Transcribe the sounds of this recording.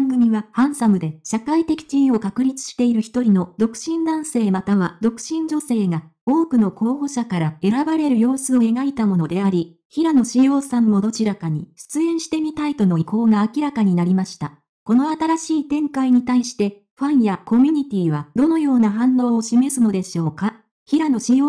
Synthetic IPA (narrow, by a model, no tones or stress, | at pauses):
ŋɡɯ̟mʲiβahãɰ̃samɯ̟d̪e̞ɕakait̪e̞kʲi̥t͡ɕĩːo̞kakɯ̟ɾʲit͡sɨ̥ɕi̥t̪e̞iɾɯ̟çi̥t̪o̞ɾʲino̞d̪o̞kɯ̟̥ɕĩnd̪ãɰ̃se̞ːmat̪aβ̞ad̪o̞kɯ̟̥ɕĩɲ̟d͡ʑo̞se̞ːɡao̞ːkɯ̟no̞ko̞ːɦo̞ɕakaɾae̞ɾabaɾe̞ɾɯ̟jo̞ːsɨo̞e̞ɡait̪amo̞no̞d̪e̞aɾʲi | çiɾano̞ɕijo̞ːsãmːo̞d̪o̞t͡ɕiɾakaɲ̟iɕɨ̥t͡sɨẽ̞ɰ̃ɕi̥t̪e̞mʲit̪ait̪o̞no̞iko̞ːɡaːkʲiɾakaɲ̟inaɾʲimaɕi̥t̪a | ko̞no̞at̪aɾaɕiːt̪ẽ̞ŋkaiɲ̟it̪aiɕi̥t̪e̞ | ɸãɰ̃jako̞mʲiɲ̟it̪ʲiːβad̪̥o̞no̞jo̞ːnaɦãnːo̞ːoɕime̞sɨno̞d̪e̞ɕo̞ːka | çiɾano̞ɕijoː